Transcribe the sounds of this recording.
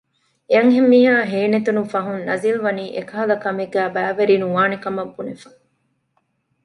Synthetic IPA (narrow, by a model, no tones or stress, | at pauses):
eɐŋɦemːiːɦaːɦeːnet̪unufɐɦunnɐzilʋɐniːʔekɐɦɐlɐkɐmeɡæːbæːʋɐɾiːnuʋaːnekɐmɐbːunefɐ̥